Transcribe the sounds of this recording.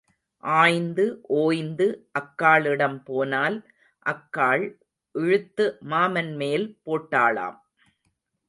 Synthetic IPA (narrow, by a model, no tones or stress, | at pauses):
ʔaːjnd̪ɯʔoːjnd̪ɯʔɐkːaːɭɪɽɐmpoːnaːl | ʔɐkːaːɭ | ʔɪɻɯt̪ːɯmaːmɐnmeːlpoːʈːaːɭa̰ːm